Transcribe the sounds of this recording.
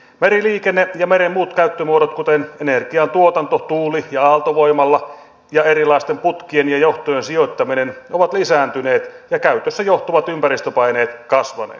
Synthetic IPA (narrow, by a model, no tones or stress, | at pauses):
meɾiliːkenːejɑmeɾemmuːt̪kæyt̪ːømuoɾot̪kut̪enenerɡ̥iɑnt̪uot̪ɑnt̪ot̪uːlijɑɑːlt̪oʋo̞imɑlːɑ | jɑeɾilɑist̪emput̪kienjɑjoht̪ojensiot̪ːɑminenoʋɑt̪lisæːnt̪yne̞ːt̪jɑkæyt̪øsːæjoht̪oʋɑt̪ympæɾist̪øpɑineːt̪kɑsʋɑ̰nḛːt̪